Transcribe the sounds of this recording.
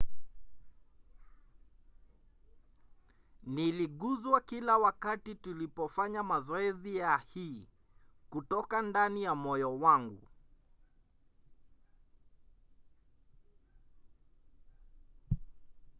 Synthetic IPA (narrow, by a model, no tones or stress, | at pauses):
niliɠuzwakilawakatitulipɔfaɲamazɔɛzijahiː | kutɔkandanijamɔjɔwaŋɡṵ